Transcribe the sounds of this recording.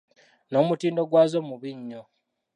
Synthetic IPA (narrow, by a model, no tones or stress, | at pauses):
no̞ːmutiːndo̞ɡwaːzo̞muβiɲːo